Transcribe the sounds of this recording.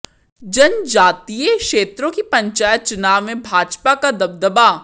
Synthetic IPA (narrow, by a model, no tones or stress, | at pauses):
d͡ʒɐnd͡ʒaːt̪ijekʃeːt̪ɾõkipɐ̃ɲt͡ʃaːjət̪̚t͡ʃʊnaːʋmẽbʱaːd͡ʒpakad̪ɐb̚d̪əba